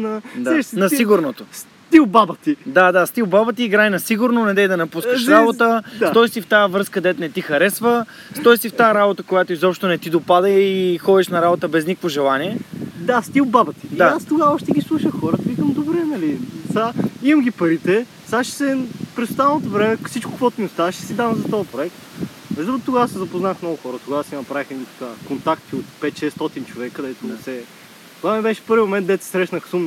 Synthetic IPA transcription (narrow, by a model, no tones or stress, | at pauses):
nɐd̪aɛnɐsiɡʊɾnot̪os | t̪ilˠbabət̪id̪ad̪ast̪ilˠbabət̪iːɡɾajnɐsiɡʊɾnonɛd̪ɛjd̪ɐnɐpuskəʃɾabot̪əsɔjsift̪ajəvɾɤskəd̪ɛt̪nɛt̪ixɐɾɛsvə | st̪ɔjsift̪aəɾabot̪əkojat̪oizɔpʃt̪onɛt̪id̪opad̪əixɔd̪iʃnɐɾabot̪əbɛznikəkvoʒɛlˠaniɛd̪ast̪ilˠbabət̪id̪aast̪ʊɡaɔʃt̪ɛɡʲislˠuʃəxɔɾət̪əikəmd̪obɾɛnɐlisaimɐmɡʲipɐɾit̪ɛ | saʃɛ̥sɛpɾɛsʊ̥st̪allˠnot̪ovɾɛmɛkfsit͡ʃkʊ̥kvɔt̪ʊmiʊst̪aʃt̪ɛ̥sid̪avɐmzɐt̪ɔjəpɾoɛkt̪ | ɛzɔɾt̪t̪ʊɡaəsizɐpʊznaxmnɔɡʊxɔɾət̪ʊɡasinɐpɾavixɛd̪it̪ɐ̥kakont̪akt̪iot̪pɛt̪ʃɛst̪ɔt̪int͡ʃovɛkəd̪ɛt̪ʊnɛsɛ | t̪ovamibɛʃɛ̥pɤɾvimomɛnt̪d̪ɛt̪sɛ̥sɾɛʃnəxsum